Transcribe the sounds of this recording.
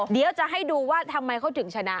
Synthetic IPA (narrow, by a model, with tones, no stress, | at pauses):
di˧əwt͡ɕa˨˩ʔɦa˥˩jduː˧waː˥˩t̪ʰa˧ma˧jkʰa˥˩t̪ʰɯ˩˦ŋt͡ɕʰa˧na˦˥ʔ